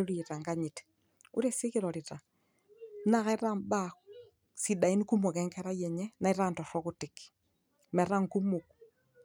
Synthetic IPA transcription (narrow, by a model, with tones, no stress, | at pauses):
ɾi˨ta˨ŋɡaɲi˨t | ṵ˦ɾe˦si˦kɪ˦ɾɔ˨ɾɪ˨ta˨ | na˦kɛ˦ɾa˦mba˦ | si˨da˨i˦nku˦mo˨kɛ˨ŋkɛ˦ɾa˦jɛ˨ɲɛ˦na˨iɾa˦ntɔ˨fɔ˦kʊ˦tɪk | mɛ˨ɾa˦ŋku˦mo˨k